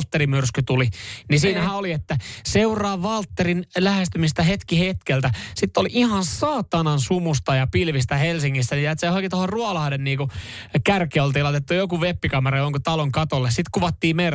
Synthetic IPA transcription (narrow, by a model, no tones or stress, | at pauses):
lt̪ːerimyrskyt̪ulinisiːnæhæːoliet̪ːæseurˑɑːʋɑlt̪ːerinlæhest̪ymist̪æhet̪kihet̪kelt̪æsit̪ːoliʔihɑnsɑːt̪ɑnɑnsumust̪ɑjɑpilʋist̪æhelsiŋːist̪ænijæɑt̪sehokit̪ohorruɑlɑhdenniːkukærkiolt̪iːlɑit̪et̪ːujokuʋepːikɑmerɑjoŋkot̪ɑloŋkɑt̪olːessit̪kuʋɑt̪ːiːmer